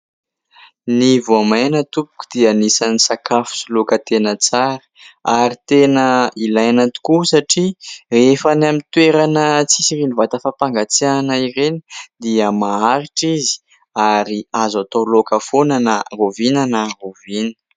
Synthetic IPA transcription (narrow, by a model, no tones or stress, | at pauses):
nivoamanət̪upu̥ku̥d̪̥ianisanisakafu̥sulokət̪enət͡saɾə̥aɾit̪enəilajanat̪u̥kusaʈ͡ʂirefanamint̪weɾanət͡sisiɾinivat̪afapaŋɡat͡sianaiɾeni̥d̪iəmaaɾiʈ͡ʂizi̥ | aɾiazat̪olokəfonanərovinanarovinə̥